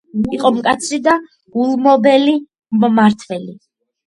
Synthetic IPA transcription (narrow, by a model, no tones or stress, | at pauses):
miqʼɔmkʼat̪sʰɾid̪a | ɡ̥ulˠmɔbɛli | mmaɾt̪ʰvɛli